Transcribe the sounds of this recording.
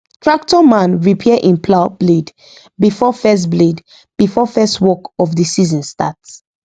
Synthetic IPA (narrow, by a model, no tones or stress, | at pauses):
tʰɹak̚tɔmãnɹipʰiɛʔĩnpʰlabled | bifɔfɛs̬tbled | b̥ifɔfɛstwɔkɔfdisizɔ̃nstats